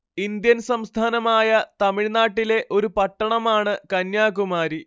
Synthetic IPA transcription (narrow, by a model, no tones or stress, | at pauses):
ind̪jɐnsɐmst̪ʰaːnɐmaːjɐt̪ɐmiɻnaːʈːile̞ʔo̞ɾupɐʈːɐɳɐmaːɳɨkɐnjaːkumaːɾi